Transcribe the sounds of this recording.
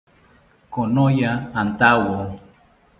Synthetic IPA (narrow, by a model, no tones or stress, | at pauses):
konojaːnt̪awo